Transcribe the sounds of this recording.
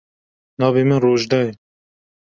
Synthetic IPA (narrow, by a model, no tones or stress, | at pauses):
nɑːveːmɨnroːʒd̪ɑːjɛ